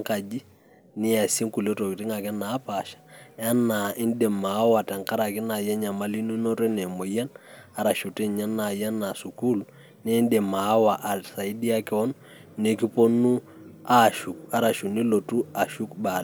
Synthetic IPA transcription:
ŋka˨d͡ʒi˦ | nɪ˦a˨si˦ŋku˨ljo˦to˨ki˨tɪ˦ŋa˨kɛ˦na˨˦pa˨ʃḁ˨a˦na˨ɪ˦ndɛ˨ma˨˦wa˨ta˨ŋka˦ɾa˨kɪ˦na˨jɛ˦ɲa˨ma˦li˦nu˦no˦ɾɛ˦nɛ˨mo˨ja˦na˦ɾa˨ʃu˨tɛ˦ɲa˦nːa˨ja˦na˨su˨ku˦l | nɛ˦ndɛ˨ma˨˦wa˨ʔa˨sa˨i˦di˦a˦kɛ˦ɔ˦nː | e˨ki˦po˦nu˦ | a˦˨ʃu˨k̚a˦ɾa˨ʃu˨ni˦lo˨tu˦a˨ʃu˦kba˨l

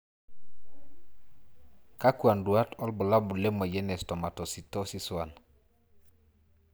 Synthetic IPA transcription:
ka˦kwa˨ndu˨a˦tɔ˦lbʊ˨la˦bu˨le˦mɔ˨jɛ˦nɛ˨stɔ˨ma˨tɔ˨si˨tɔ˦si˦swa˨n

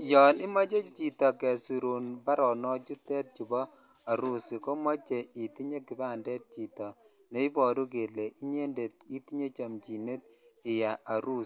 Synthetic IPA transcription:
jɔ˨ni˦mɔ˦t͡ʃe˦t͡ʃt͡ʃi˨tɔ˨kɛ˨si˨ɾu˨nba˦ɾɔ˨nɔ˦t͡ʃu˦tɛ˦t̚t͡ʃu˨bɔ˦ | a˨ɾu˦si˨ko˦mɔ˦t͡ʃe˨i˨ti˦ɲe˦ki˨ba˦ndɛ˦t̚t͡ʃi˨tɔ˨ | ne˨˦i˦pɔ˨ɾu˦k̬e˨le˨i˦ɲe˦nde˨t̚i˦ti˦ɲe˦t͡ʃa˨mt͡ʃi˨ne˦t̚ɪ˨ja˨ʔa˨ɾu˦s

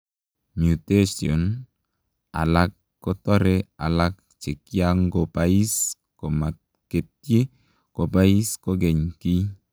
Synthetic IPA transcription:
mju˨te˦siɔ˨n | a̰˨la˦kːɔ˦tɔ˦ɾɛ˦a̰˨la˦k̚ | t͡ʃe˨kja˦ŋɡo˨pa˨i˦s | ko˨ma˨t | ke˨t̚je˦ | ko˨pa˦i˦sko˦ɡɛ˨ɲki˦

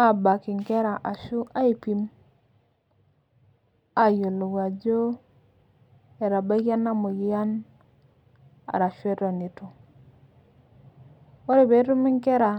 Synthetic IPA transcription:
a˦ba˨ki˨ŋke˦ɾa˨ʔa˨ʃu˦ʔa˦i˨pi˦m | a˨jo˨lu˨wa˨d͡ʒo˦ | e˨ɾa˨ba˦ɡa˦na˦mu˨ji˨ja˦n | a̰˨ɾa˨ʃu˦e˦ta˨ni˨to˨ | o˦ɾe˦be˨˦tu˦mi˦ŋke˦ɾa˨

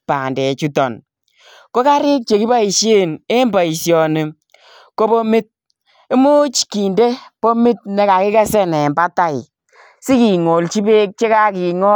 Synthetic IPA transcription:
pa˨ndɛ˨t͡ʃu˦tɔ˨n | ko˦ka˦ɾɪ˦k̚t͡ʃe˨ki˦ba˦i˨ʃje˦ne˦mba˨i˨sjɔ˨ne˨ | ko˦bo˦mɪ˦t̚ | e˦mo˦t͡ʃki˨nde˦po˦mɪ˦t̚nɛ˦ka˨kɪ˦kɛ˦sɛ˦nɛ˨mba˦ta˦ɪ˨ | si˦ki˨ŋo˨lt͡ʃi˦be˦k̚t͡ʃe˦ka˦ki˨ŋɔ˦

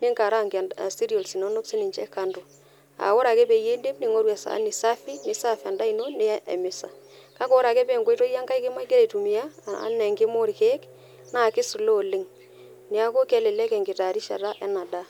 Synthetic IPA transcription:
nɪ˦ŋka˨ɾa˦ŋɡ̰si˦ɾi˨o˨lsi˨no˦no˦ksi˦nɪ˨ɲt͡ʃɛ̰˦ka˨ndo˨ | a̰˨wo˦ɾa˨kɛ˦pe˨je˦nde˦mnɪ˨ŋo˦ɾwa˨sa̰˨˦ni˨sa˦fi˦nɪ˨sa˦fi˨a˨nda˦i˨no˦ne˦ḛ˨mɪ˨sa̰˨ka˦ko˦ɾa˨kɛ˦pɛ˦˨ŋɡo˦to˦ja˦ŋɡa˦i˦kɪ˦ma˦ke˦ɾe˨tu˨mi˨ja̰˦˨˦nɛ˨ŋɡɪ˦mo˦ɾi˨ke˦k | na˦˨kɪ˦su˨lo˦˨lɪ˦ŋ | nɪ˨a˦ko˦kɛ˦lɪ˨lɛ˦kɛ˨ŋɡɪ˨ta˨ɾi˦ʃa̰˨ɾa˦ʔɛ˦na˨da˦

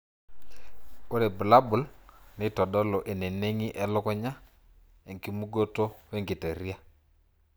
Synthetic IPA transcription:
o˦ɾe˨bu˨la˦bu˨lne˦˨tɔ˨ɗɔ˦lo˨ʔe˨ne˨ne˦ŋi˦ʔɛ˨lɔ˦kɔ˦ɲa˦ | e˨ŋki˦mu˦ɡo˦to˦we˦ŋɡi˨te˨ɾi˦a˦

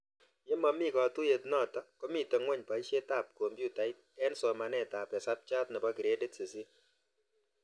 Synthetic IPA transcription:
je˦mɔ˧mi˦kɔ˨tu˦je˨tnɔ˦˨tɔ˦ko˦mi˦˨te˨ŋwɛ˦ɲpa˨i˦ʃe˦ta˦˨p̚ko˨mbju˦˨ta˨˦ɪ˦t̚ɛ˦nsɔ˨ma˨nɛ˦˨ta˨pɛ˨sa˦p̚t͡ʃa˦tnɛ˨bɔ˦ki˨ɾe˦de˦tse˨si˦

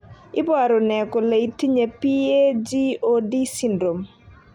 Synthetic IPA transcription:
ɪ˦bwa˨ɾo˨nɛ˨ko˨le˨i˨ti˦ɲe˨pi˦e˦d͡ʒi˦o˦di˦si˦ndɾo˨m

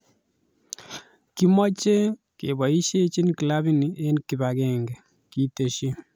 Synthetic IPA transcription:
ki˦mɔ˦t͡ʃe˦ | ke˨bɔ˨i˦ʃe˦t͡ʃi˦nki˨la˦bi˦ni˨e˦nki˨ba˨kɛ˦ŋɡɛ˨ | ki˦te˨ʃi˦

